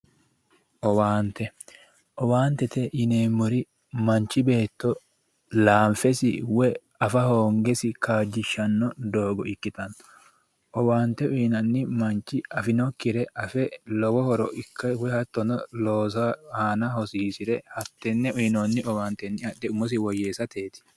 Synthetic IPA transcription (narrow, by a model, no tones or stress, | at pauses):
ʔɔwaːnt̪ɛ | ʔɔwaːnt̪ɛt̪ɛjɪneːmːɔɾɪ | mɐnt͡ʃːɪbe̞ːt̪ːɔ | laːmfɛsɪwɛ | ɐfɐhoːŋɡɛsɪkaːd͡ʒːɪʃːɐnːɔd̪o̞ːɡɔɪkːɪt̪ɐnːɔ̥ | ʔɔwaːnt̪ɛʊjnɐnːɪmɐnt͡ʃːɪɐfɪnɔkːɪɾɛʔɐfɛlɔwɔhɔɾɔʔɪkːɐwɛhɐt̪ːɔnɔloːsɐhaːnɐhɔsiːsɪɾɛhɐt̪ːɛnːɛʊnonːɪɔwaːnt̪ɛnːɪɐɗːɛʊmːɔs̬ɪwɔjːeːsɐt̪ʰe̞ːt̪ɪ̥